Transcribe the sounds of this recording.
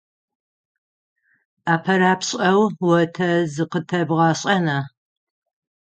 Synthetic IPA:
aːpʰɐɾaːpɕʼɐwwɐtʰɐzɨqətʰɐbʁɑːɕʼɐnaː

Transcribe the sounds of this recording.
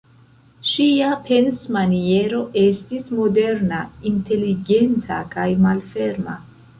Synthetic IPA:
ʃiapʰe̞nsmanie̞ɾo̞ʔe̞stismo̞de̞ɾnainte̞liɡe̞ntʰa̰kajmalfe̞ɾma̰

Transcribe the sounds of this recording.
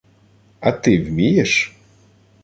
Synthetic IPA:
ɐt̪ɪwmʲijeʃ

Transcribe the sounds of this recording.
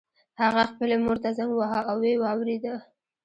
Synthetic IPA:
haɣaxpəlemoɾt̪azaŋɡwaɦɑawewɑwɾed̪ə

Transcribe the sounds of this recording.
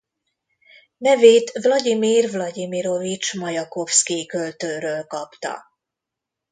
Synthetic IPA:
nɛveːt̪vlɒɟimiːrvlɒɟimiɾo̞vit͡ʃmɒjɒko̞fskikølt̪øːɾøːlkɒpt̪ɒ̰

